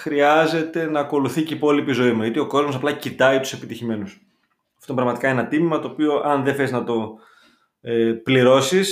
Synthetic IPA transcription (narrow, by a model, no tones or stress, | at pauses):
xɾiɐze̞t̪e̞nɐːko̞luθiceipo̞lipizo̞imuʝɐt̪io̞ko̞zmosɐplɐcit̪ɐit̪u̥se̞pit̪içime̞nus | ɐft̪obɾɐɣmɐt̪i̥kɐenɐt̪imimɐt̪oːpio̞ʔɐnðeθeznɐt̪o̞ | epliɾo̞sis